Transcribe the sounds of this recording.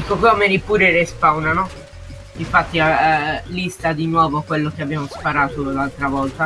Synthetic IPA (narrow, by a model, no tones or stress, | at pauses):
ikːokomenipuːɾeɾespawnanɔ | iɱfat̪ːialist̪ad̪inwɔːvokwelːok̟eabːjaːmospaɾaːt̪olalt̪ɾavɔlt̪a